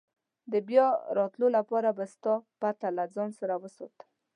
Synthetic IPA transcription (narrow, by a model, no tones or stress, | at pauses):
d̪əbjɑɾɑt̪lolapɑɾabast̪ɑpat̪alad͡zɑnsaɾawəsɑ̰t̪ə